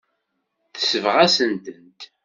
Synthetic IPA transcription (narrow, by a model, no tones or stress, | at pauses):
θə̥səvʁæsənt̪ənt̪